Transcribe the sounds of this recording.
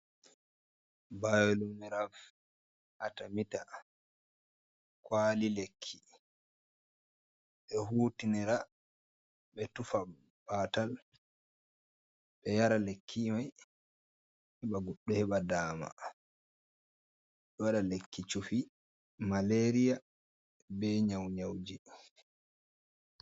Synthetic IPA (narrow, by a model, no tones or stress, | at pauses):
bajɔlumɛɾaf | ʔatamita | kwaːlilekʰːi | ɓɛɦuːtinɛɾa | ɓɛtufa | baːtal | ɓɛjaɾalekʰːimaj | hɛɓaɡɔɗːɔhɛɓadaːma̰ | ɗɔwaɗalekːit͡ʃufi | maleɾija | bɛɲawɲawd͡ʒi